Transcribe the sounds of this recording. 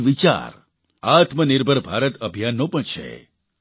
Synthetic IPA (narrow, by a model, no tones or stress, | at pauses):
ʋit͡ʃa̰ɾ | at̪mənɪɾbʱəɾbʱaɾət̪əbʱjanːõpəɳt͡ʃʰḛ